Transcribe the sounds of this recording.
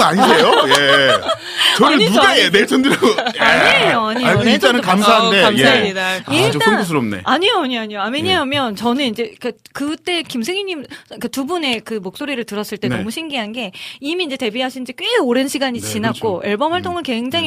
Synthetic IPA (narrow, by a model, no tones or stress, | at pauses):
aɲisʰejoje | t͡ɕʌnɯnuɡaenesʰʌndɯɾɡaɲioaɲioianɯkamsʰaɦande̞amjaaidaiot͈aɯnɡos̬ʰɯɾomne̞̰aɲijoaɲiaɲijoameɲaamjʌnt͡ɕʌnɯnind͡ʑe̞k͈akɯt͈e̞kimsʰe̞ŋiɲimkatubune̞kɯmok̚s͈oɾiɾɯɭtɯɾʌs͈ɯɭt͈e̞nnʌmuɕʰimɡiɦanɡe̞imiːnd͡ʑe̞te̞biɦaɕʰind͡ʑik͈ɥweoɾenɕʰiɡaɲit͡ɕinak͈oʔeɭbʌmwaɭt͈oŋɯɭke̞ŋd͡ʑaŋ